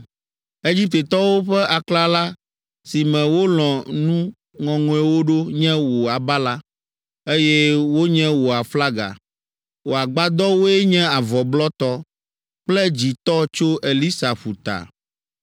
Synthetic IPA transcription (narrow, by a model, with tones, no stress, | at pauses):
e˦d͡ʑi˦p̚t̪e˨t̪ɔ˦wo˦ɸɛ˦a˨kla˦la˦ | si˨mɛ̃˨wo˦l̃ɔ̃˨nũ˦ | ŋɔ̃˨ŋɔ̃˨ɛ˦wo˦ɖo˦ɲɛ̃˦wo˨a˨ba˦la˦ | e˦jɛ˦wo˦ɲɛ̃˦wo˨a˨fla˦ɡa̰˨ | wo˨a˨ɡ͡ba˦d̪ɔ˦wo˦ɛ˦ɲɛ̃˦a˨vɔ˨blɔ˦t̪ɔ˦ | k͡plɛ˦d͡ʑi˨t̪ɔ˦t͡ʃo˦ʔe˨li˦sa˨ɸu˨t̪a̰˨